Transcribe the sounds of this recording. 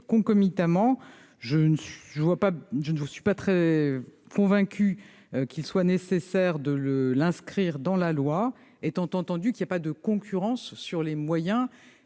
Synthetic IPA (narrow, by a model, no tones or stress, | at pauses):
kɔ̃kɔmit̪amɑ̃ | ʒənsʒəvwapaʒənsɥipat̪χɛ | kɔ̃vɛ̃kʲy | kʲilswanesesɛʁd̪ələlɛ̃skχiʁd̪ɑ̃lalwa | et̪ɑ̃t̪ɑ̃t̪ɑ̃d̪ykʲilijapad̪əkɔ̃kʲʰyʁɑ̃sːyʁlemwajɛ̃